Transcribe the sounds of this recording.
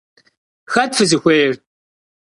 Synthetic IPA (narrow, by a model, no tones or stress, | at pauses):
xɐd̚fɨzɨxʷeːr